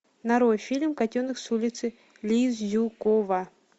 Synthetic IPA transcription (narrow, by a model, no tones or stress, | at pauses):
nɐɾojfʲilʲmkɐtʲonɨksulʲɪt̪sɨ | lʲizjukova